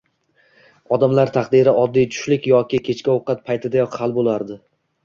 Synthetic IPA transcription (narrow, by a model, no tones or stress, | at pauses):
ɒd̪amlaɾt̪ʰaqd̪ɪɾɪɒd̪ːijt̪ʰʊ̥ʃlɪkʲjɒkʲɪkʲʰe̞t͡ʃkʲaoqɑt̪̚pʰajt̪ʰɪd̪ajɒqhalˠbolˠaɾd̪ɪ